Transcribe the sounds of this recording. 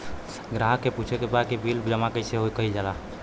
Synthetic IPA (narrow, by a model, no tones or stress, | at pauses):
ɡɾaɦəkːeput͡ʃʰekebad̪kibʱild͡ʒəmakeseɦoikəɦid͡ʒala